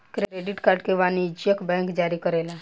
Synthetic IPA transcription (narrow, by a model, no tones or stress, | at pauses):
kɾeɾeɖiʈkaɾɖkeʋanid͡ʒjəkbɛ̃ŋkd͡ʒaːɾikəɾela